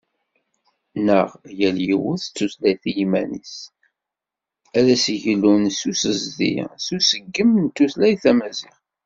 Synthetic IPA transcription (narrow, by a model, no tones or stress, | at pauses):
nəʁjæljiwʊθt͡sːuθlæjθjimænḭs | æðæsʝlːunsusəzðḭsusəɡːəmnt̪ːuθlæjθæmæziʁ